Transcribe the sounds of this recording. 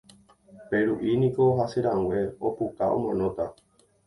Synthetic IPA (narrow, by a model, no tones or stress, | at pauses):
pe̞ɾuʔinĩko̞ɦaseɾãŋwe̞opukaõ̰mõnõt̪a